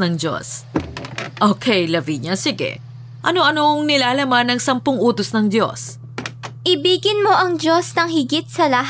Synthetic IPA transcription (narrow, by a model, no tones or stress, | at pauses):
nɐŋd͡ʒo̰s | ʔoːkʰɛjlɐbiɲɐsɪɡɛ̰ | ʔɐnoʔɐnoŋnɪlaːlɐmanːɐŋsɐmpʊŋʔuːt̪osnɐŋd̪jo̞̰s | ʔɪbiːɡɪnmo̞ʔɐŋd͡ʒo̞snɐŋɦɪɡit̪̚sɐlɐɦ